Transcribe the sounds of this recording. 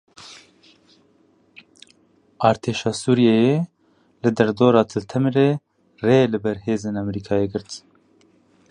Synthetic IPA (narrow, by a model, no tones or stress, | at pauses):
ɑːɾt̪ʰeːʃɑːsuːɾijɛje | lɨd̪ɛɾd̪oːɾɑːt̪ʰɨlt̪ʰɛmɾeː | reːlɨbɛɾheːzeːnɛmɛɾiːkʰɑːjeːɡɨɾt̪